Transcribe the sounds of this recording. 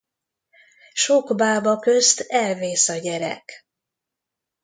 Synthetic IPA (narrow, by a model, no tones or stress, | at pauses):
ʃoɡbaːbɒkø̞st̪ɛlveːsɒɟɛɾɛ̰k